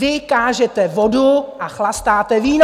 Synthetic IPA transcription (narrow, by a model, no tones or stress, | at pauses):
ɪkaːʒɛt̪ɛvo̞duʔaxlast̪aːt̪ɛviːn